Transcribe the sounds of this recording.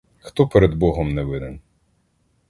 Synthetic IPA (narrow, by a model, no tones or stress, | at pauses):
xt̪ɔpeɾed̪bɔɦɔmnɛʋɪd̪en